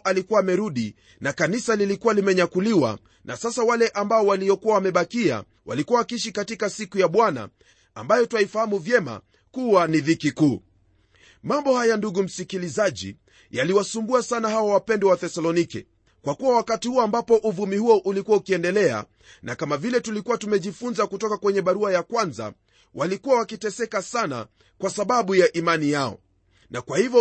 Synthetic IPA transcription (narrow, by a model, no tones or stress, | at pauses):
ʔalikuwaːmɛɾuɗi | nakanisalilikuwalimɛɲakuliwa̰ | nʔasasawalɛʔambaɔwaliɔkuwawamɛɓakia̰ | wʔa̰likuwawakiiʃ̬ikatikasikujaɓwana̰ | a̰mbajɔtuwaifahamuvjɛma̰ | kuwaniðikikuː | mambɔhajanduɠum̩sikilizaʄḭ | jaliwasumbuasanahawawapɛndɛwaθɛsalɔnikɛ̰ | kwakuwawakatihuɔambapɔʔuvumihuɔʔulikuaukiɛndɛlɛa̰ | nakamavilɛtulikuwatumɛʄifunzakutɔkakwɛɲɛɓaɾuajakwanza̰ | walikuwawakitɛsɛkasana̰ | kwasaɓaɓujaʔimanijaɔ̰ | nakwahivɔ